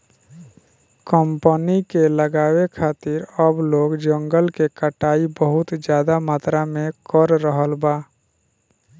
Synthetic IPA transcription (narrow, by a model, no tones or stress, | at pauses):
kəmpənikeləɡaːwekʰaːt̪ɪɾəbloːɡd͡ʒəŋɡəlkekəʈaːibəɦʊt̪d͡ʒjaːd̪amaːt̪ɾamẽkəɾːəɦəlbaː